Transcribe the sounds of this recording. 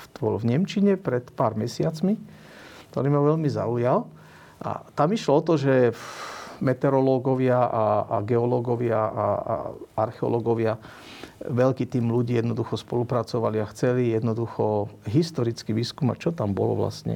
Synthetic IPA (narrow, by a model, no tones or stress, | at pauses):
bɔlvɲɛmt͡ʃiɲɛpɾɛt̪paːɾmɛsɪat͡smi | kt̪ɔ̰ɾiːmaʋɛʎmiza̰ujal | ʔa̰t̪amiʃlɔɔt̪ɔʒɛ | mɛt̪ɛɾɔlɔɡɔʋɪaʔaa̰ɡɛɔlɔɡɔʋɪaa̰a̰aɾxɛɔ̰lɔɡɔʋɪa | ʋɛʎkiːt̪iːmluɟiːjɛd̪nɔd̪uxɔspɔlupɾat͡sɔʋaliaxt͡sɛlijɛd̪nɔd̪uxɔɦist̪ɔɾit͡skiʋiːskuma̰t͡ʃɔt̪ambɔ̰lɔ̰ʋla̰stɲɛ̰